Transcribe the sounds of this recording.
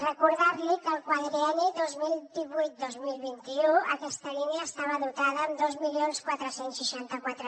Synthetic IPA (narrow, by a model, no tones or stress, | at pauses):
rəkuɾðaɾlikəːlˠkwaðɾiɛniðozmilˠd̪iβujt̪̚d̪ozmilˠβint̪iuəkɛst̪əliniəːst̪aβəðut̪aðəːmd̪ozmilionskwat̪ɾəsensːəʃant̪əkwat̪ɾə